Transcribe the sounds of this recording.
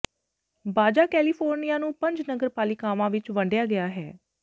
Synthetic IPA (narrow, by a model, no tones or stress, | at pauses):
baːd͡ʒaːkɛːliːpʰoːɾnijaːnũːpəɲd͡ʒnəɡəɾpaːlɪkaːʋãːʋɪt͡ʃʋəɳɖjaːɡɪjaːɦɛː